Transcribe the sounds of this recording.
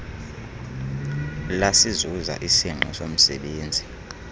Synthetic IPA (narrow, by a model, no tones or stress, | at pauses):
lasizuza̰ʔisiŋ͡ǃʱɔ̰som̩sɛɓeːnd͡zʱi